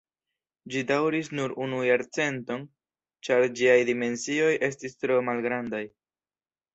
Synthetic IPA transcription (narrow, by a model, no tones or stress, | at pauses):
d͡ʒidawɾis̬nuɾunujaɾt͡se̞nto̞n | t͡ʃaɾd͡ʒiajdime̞nsio̞jʔe̞s̬tistɾo̞malɡɾandaj